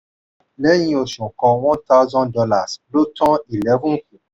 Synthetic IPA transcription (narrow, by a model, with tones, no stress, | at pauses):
lɛ˨˦jĩ˨˦o˨ʃɔ̃˨kɔ˨wɔ̃˦t̪a˦zɔ̃˦ndɔ˦la˨slo˦tɔ̃˦i˨lɛ˦vũ˦nku˨